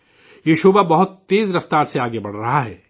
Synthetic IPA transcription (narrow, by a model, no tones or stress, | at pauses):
jeʃuːbabɐɦʊt̪ːeːzɾɐft̪aːɾseaːɡebɐɽ̤ɾɐɦaɦɛ̰ː